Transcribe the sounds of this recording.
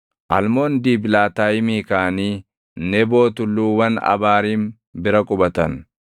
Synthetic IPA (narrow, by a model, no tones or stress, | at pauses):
ʔɐlmo̞ːnd̪iːbɪlaːt̪aːjɪmiːkaːniː | nɛbo̞ːt̪ʊlːuːwɐnɐ̰baːɾiːm | bɪɾɐkʼʊbɐt̪ɐn